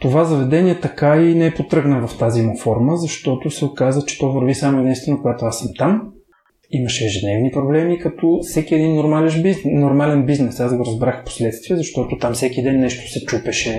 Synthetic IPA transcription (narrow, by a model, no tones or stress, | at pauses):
t̪ovazɐvɛd̪ɛnʲiɛt̪ɐkainɛɛpot̪ɾɤɡnəvɐft̪azimofɔɾməzɐʃt̪ɔt̪osɛokazət͡ʃɛ̥t̪ɔvəɾvisamoɛd̪ɛ̃sinəkoɡat̪oasɐmt̪am | imɐʃɛɛʒɛd̪nɛvnipɾoblɛmikɐt̪ɔfsɛkiɛd̪inːoɾmalɛʃbinːoɾmalɛnbiznɛsazɡoɾɐzbɾaxfpo̥slɛt̪st̪viɛzɐʃt̪ɔt̪ot̪amfsɛkid̪ɛnːɛʃt̪o̥sɛt͡ʃupɛʃɛ